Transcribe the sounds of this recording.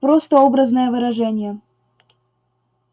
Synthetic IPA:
pɾost̪əobɾəznəjəvɨɾɐʐɛnʲɪjə

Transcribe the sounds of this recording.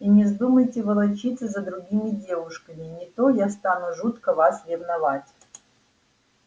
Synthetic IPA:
inʲɪzd̪uməjtʲɪvəlˠɐt͡ɕit̪səzəd̪ɾʊɡʲimʲɪdʲe̞vʊʂkəmʲɪnʲɪt̪ojast̪anʊʐut̪kəvasɾʲɪvnɐvatʲ

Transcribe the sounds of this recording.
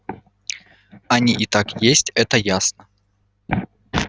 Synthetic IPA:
anʲiʔit̪akjesʲtʲɛt̪ɐjasnɐ

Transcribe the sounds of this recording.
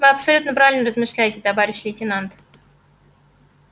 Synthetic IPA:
vɨɐpsɐlʲut̪nəpɾavʲɪlʲnərəzmɨʂlʲæjɪtʲɪt̪ɐvaɾʲɪɕlʲɪtʲɪnant̪

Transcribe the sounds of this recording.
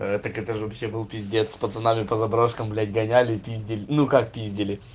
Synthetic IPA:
ɛt̪əkɛt̪əʐɨvɐpɕːebɨlˠpʲɪzʲdʲet̪spət̪sɨnamʲɪpəzɐbɾoʂkəmblʲætʲɡɐnʲælʲɪpʲizʲdʲɪlʲɪnukakpʲizʲdʲɪlʲɪ

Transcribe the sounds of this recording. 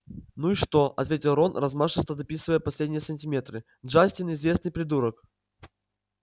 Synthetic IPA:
nuiʂt̪oɐ̰t̪vʲetʲɪlˠɾonrɐzmaʂəst̪əd̪ɐpʲisɨvəjəpɐsʲlʲedʲnʲɪjəsənʲtʲɪmʲet̪ɾɨ | dʐasʲtʲɪnɪzvʲe̞snɨjpɾʲɪd̪uɾək

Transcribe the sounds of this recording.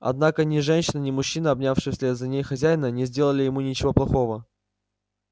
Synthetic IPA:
ɐ̰d̪nakənʲɪʐɛnʲɕɪnənʲɪmʊɕːinəɐbnʲafʂɨxsʲlʲɛzɐnʲejxɐzʲæjnənʲɪzʲdʲe̞lˠəlʲɪjɪmunʲɪt͡ɕɪvoplˠɐxo̞və

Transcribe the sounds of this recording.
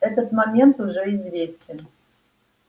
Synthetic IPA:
ɛt̪ət̪mɐmʲe̞nt̪ʊʐɛɪzvʲesʲtʲɪn

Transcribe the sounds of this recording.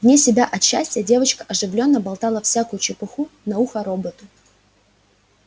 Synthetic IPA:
vnʲesʲɪbʲaʔɐt̪ɕːæsʲtʲɪjədʲe̞vət͡ɕkə̥ʔɐʐɨvlʲo̞nːəbɐlˠt̪alˠəfsʲakʊjʊt͡ɕɪpɨxunɐuxəɾobət̪ʊ

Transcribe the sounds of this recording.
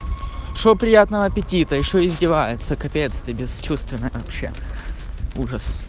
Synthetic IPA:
ʂopɾʲɪjat̪nəvəɐpʲɪtʲit̪əjɪɕːoɪzʲdʲɪvajɪt̪səkɐpʲejt̪st̪ʲɪbʲɪst͡ɕust̪vʲɪnːəjvɐpɕːḛ | uʐəs

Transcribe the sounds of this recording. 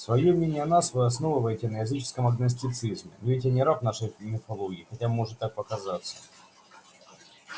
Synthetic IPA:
svɐjomnʲenʲɪjənasvɨɐsno̞vɨvəjɪtʲɪnəjɐzɨt͡ɕɪ̥skəmɐɡnəs̬ʲtʲɪt̪sɨzmʲɪ̰nvʲɪt̬ʲanʲɪɾapn̪aʂəjmʲɪfɐlˠoɡʲɪːxɐtʲamo̞ʐɨt̪ːak̚pəkɐzat̪sːə̥

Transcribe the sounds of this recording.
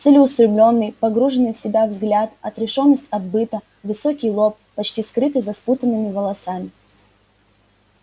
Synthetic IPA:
t̪sɛlʲɪʊst̪ɾʲɪblʲo̞nːɨjpɐɡɾuʐɨnːɨjfsʲɪbʲavzɡlʲat̪ɐt̪ɾʲɪʂo̞nːəsʲtʲɐd̪̚bɨt̪ə | vɨsokʲijlˠop̚ːɐt͡ɕtʲiskɾɨt̪ɨzɐsput̪ənːɨmʲɪvəlˠɐsamʲɪ

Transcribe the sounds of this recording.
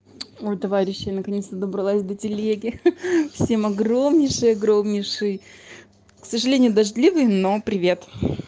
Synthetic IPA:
olʲt̪ɐvaɾʲɪɕːɪjnəkɐnʲest̪əd̪əbɾɐlˠasʲd̪ətʲɪlʲeɡʲɪfsʲe̞mɐɡro̞mnʲɪʂɨjɐɡɾo̞mnʲɪʂɨj | ksəʐɨlʲenʲɪjʊd̪ɐʐd̪ʲlʲivɨjno̞pɾʲɪvʲe̞t̪

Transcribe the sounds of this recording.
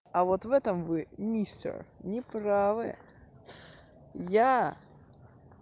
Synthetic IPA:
ɐvo̞t̪vɛt̪əmvɨmʲisʲtʲə̰rnʲɪpɾavɨ̰ | ja

